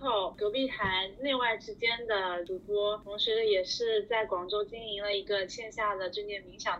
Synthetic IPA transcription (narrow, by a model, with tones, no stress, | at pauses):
o˥˩ʊkjo˧˥pi˥˩xa˧˥nne˥˧wa˥˩ɪʈ͡ʂɻ̩˥t͡ɕjɛ˥nd̪ə˨t̪u˧˥pwɔ˥t̪ʰʊ˧˥ŋʂɻ̩˧˥˧jɛ˨˩ʂɻ̩˥˧t͡sa˥˩ɪkwɑ˨˩ŋʈ͡ʂo˥ʊt͡ɕi˥ni˧˥ŋlə˧i˧˥ɡə˧t͡ɕʰjɛ˥˧nɕja˥˩d̪ə˩ʈ͡ʂɤ˥˧t̪jɛ˥˩nmi˧˥ŋɕjɑ˨˩ŋ